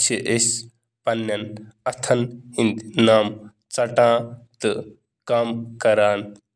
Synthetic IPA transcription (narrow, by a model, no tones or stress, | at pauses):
siʔes | pɐnːɐnɐt̪ʰɐnhind̪naːm | t͡sɐʈãːt̪ɨ | kaːmkɐɾaːn